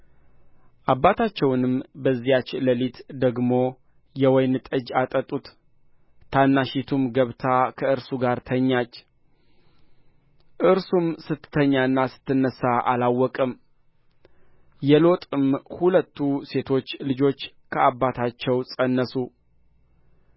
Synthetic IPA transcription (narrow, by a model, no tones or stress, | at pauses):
ʔabːat̪ʰat͡ʃːɛwnɨmbəzːijat͡ʃləlit̪d̪əɡmo̞ | jɛwɔjnɨt̪ʼəd͡ʒat̪ʼət̪ʼut̪ | t̪ʰanːaʃit̪ʰumɡəβt̪ʰakʰəɨɾsuɡaɾt̪ʰəɲːat͡ʃː | ʔɨɾsumsɨt̪ːt̪ʰːəɲːaɨnːasɨ̥t̪ʰːɨnːəsːaʔa̰lawːɔkʼɨm | jɛlo̞t̪ʼɨmhulət̪ːuse̞t̪ʰo̞t͡ʃːlɨd͡ʒo̞t͡ʃː | kʰəabːat̪ʰat͡ʃːɛwsʼənːəsu